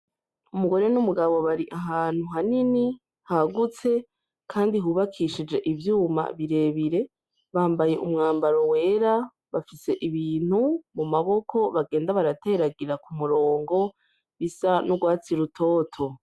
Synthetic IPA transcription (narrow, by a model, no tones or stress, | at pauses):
umuɡo̞ɾe̞numuɡaβo̞βaɾiʔaɦaːn̥huɦanini | haɡut͡se̞ | kʰaːndiɦuβakʰiʃid͡ʒe̞ʔivjuːma̰βiɾe̞βiɾe̞ | βaːmbaje̞ʔumŋaːmbaɾo̞we̞ːɾa | βafise̞ʔiβiːn̥humumaβo̞kʰo̞βaɡe̞ːndaβaɾate̞ɾaɡiɾakumuɾo̞ːŋɡo̞ | βisanuɡwaːt͡siɾutʰo̞ːtʰo̞